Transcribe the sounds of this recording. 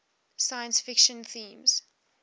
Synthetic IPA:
sajə̃nsfɪkʃə̃nθĩːmz̥

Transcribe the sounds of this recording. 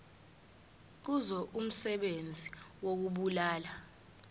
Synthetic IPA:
k̬uzɔʔum̩sɛɓend͡zʱiwok̬uɓulaːla

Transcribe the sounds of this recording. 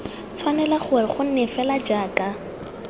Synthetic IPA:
t͡sʰwanɛlaχʊrɪχʊn̩nɛfɛlad͡ʒaːkʼa

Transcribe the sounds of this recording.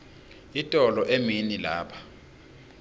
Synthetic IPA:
itʼɔlɔʔeminilaːpʰḁ

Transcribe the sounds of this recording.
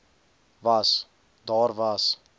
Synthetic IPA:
vas | d̪ɑːrvas

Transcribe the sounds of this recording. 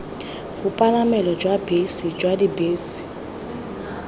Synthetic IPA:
bupʼalamɛlɔd͡ʒwabesid͡ʒwadibeːsi̥

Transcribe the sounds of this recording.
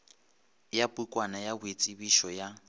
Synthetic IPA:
japukʼwanajabʊet͡sʼibiʃɔja

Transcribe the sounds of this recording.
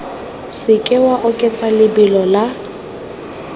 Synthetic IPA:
sɪkʼɪwaʔʊkʼɛt͡sʼalɪbɪlɔla

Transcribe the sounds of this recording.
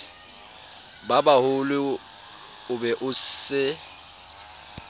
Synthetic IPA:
babahʊlɪ | ʊbɛʔʊsɪ

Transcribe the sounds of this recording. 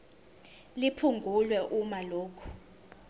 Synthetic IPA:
lipʰuŋɡʱulwɛʔumaloːkʰu̥

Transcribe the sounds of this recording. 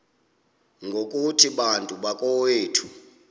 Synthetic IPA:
ŋɡʱokʼutʰiɓantʼuɓakʼɔweːtʰu̥

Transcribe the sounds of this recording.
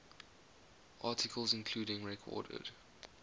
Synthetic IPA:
ʔɑːˑtʰɪkʰəlˠzɪ̃nkʰl̥uːɾɪ̃ŋɹɛkʰɔ̰ːdə̰d̥

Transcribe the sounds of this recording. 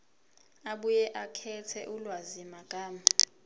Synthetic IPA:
aɓujɛʔakʰɛtʰɛ̰ʔulwazimaɡ̥ʼʱaːma

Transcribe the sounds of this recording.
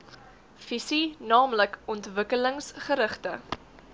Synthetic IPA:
fisinɑːmləkɔntvəkələŋsχəɾəχtə

